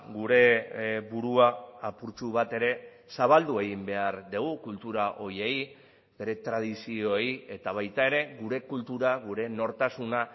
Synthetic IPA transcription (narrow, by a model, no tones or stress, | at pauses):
ɡuɾe̞buɾuaːpuɾt͡ʃuβ̞at̪e̞ɾe̞ | saβ̞ald̪ue̞ɣimbe̞aɾd̪eɣ̞ukult̪uɾaʔo̞ɾje̞j | be̞ɾe̞t̪ɾað̞isio̞eje̞t̪aβ̞ajt̪ae̞ɾe̞ɣuɾe̞kult̪uɾaɣuɾe̞no̞ɾt̪asuna